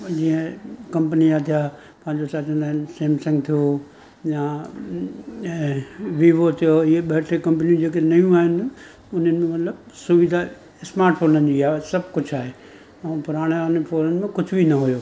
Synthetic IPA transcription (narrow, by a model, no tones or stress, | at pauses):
d͡ʑĩːə̃kɐ̃mpəniat̪ʰijaː | pãɦɪ̃ɲd͡ʑosaːt͡ɕə̃ə̃nd̪aːɦɪnseːmsɐ̃ŋɡt̪ʰijo | ja | ʋiːʋot̪ʰijoieɓeʈʰekɐ̃mpnijũd͡ʑeːkenɐjũaːɦɪnɪ̆ | ʊn̤ənɪ̆mẽmɐt̪ləb | sʊʋid̪ʱa | ɪsmaːɾʈfʰoːnənɪd͡ʑiaːsɐbʱkʊd͡ʑʱaːɦeː | ɛ̃ːpʊɾaːɽ̃eanfoːnənɪ̆mẽkʊd͡ʑʱʊbʱinɐɦujoː